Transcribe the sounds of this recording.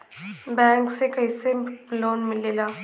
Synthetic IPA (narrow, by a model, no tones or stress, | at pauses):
bɛ̃ŋksekəɦiselonmilela